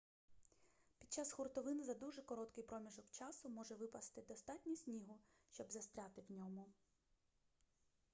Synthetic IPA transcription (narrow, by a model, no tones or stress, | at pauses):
pʲid̪̚t͡ʃasxʊrt̪ɔʋɪnzɐd̪uʒɛkɔɾɔt̪kɪjpɾɔmʲiʒɔkt͡ʃɑsʊmɔʒɛʋɪpɐst̪ɪd̪ɔst̪ɑtʲnʲisʲnʲiɦʊʃt͡ʃɔbzɐst̪ɾʲat̪ɪwnʲɔmʊ